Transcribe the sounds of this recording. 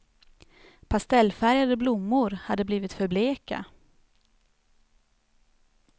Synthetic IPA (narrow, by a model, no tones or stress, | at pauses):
pʰast̪ɛlːfæɾjad̪əblʊmːʊɾhad̪ːəbliːvɪt̪fœɾbleːka̰